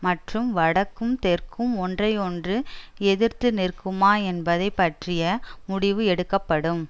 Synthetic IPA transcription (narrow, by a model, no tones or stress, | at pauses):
mɐʈrɯmʋɐɽɐkːɯmt̪ɛrkɯmɔndrɐɪɔndrɯɛðɪɾt̪ɯnɪrkɯmaːɛnbɐðɐɪpːɐʈrɪjɐmʊɽɪʋɯɛɽɯkːɐpːɐɽɯm